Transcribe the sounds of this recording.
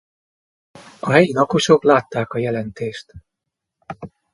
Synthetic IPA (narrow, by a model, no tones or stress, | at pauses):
ɒɦɛjilɒko̞ʃo̞klaːt̪ːaːkɒjɛlɛnt̪eːʃt̪